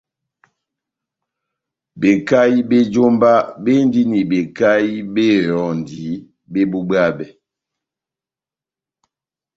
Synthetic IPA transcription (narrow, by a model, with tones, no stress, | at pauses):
be˨ka˦ji˦be˦d͡ʒo˦mba˦be˦n˦di˦ni˨be˨ka˦i˦be˦ɾɔ˨n˨di˨˦ | be˦bu˦bɰa˦bɛ˨